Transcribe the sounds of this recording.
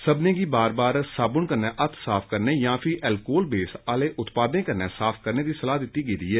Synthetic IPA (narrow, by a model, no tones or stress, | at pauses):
səbnẽːɡiːbaːɾbaːɾsaːbʊɳkənːɛ̃ːʔət̪ʰsaːpʰkəɾneːjãːpʰɪʔɛlkoːlbeːsaːleːʔʊt̪paːd̪nẽːkənːɛːsaːpʰkəɾneːd̪iːsəlaːd̪ɪt̪ːiːɡeːd̪iːɛː